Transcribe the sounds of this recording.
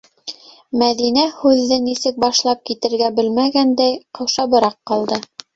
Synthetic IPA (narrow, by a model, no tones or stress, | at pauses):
mæðinæhʉðːɘnisɘk̚bɑʃlˠɑp̚kit̪ɘ̆ɾɡæbɘlmæɡænd̪æjqɤ̆wʃɑbɤ̆ɾɑqːɑlˠd̪ɤ